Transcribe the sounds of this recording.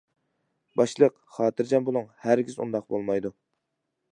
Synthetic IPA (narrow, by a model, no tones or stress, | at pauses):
bɑʃlˠəq | χɑːt̪ʰɨɾd͡ʒɛmbolˠuŋhæɾɡʲizṵnd̪ɑq̚bolˠmɑjd̪u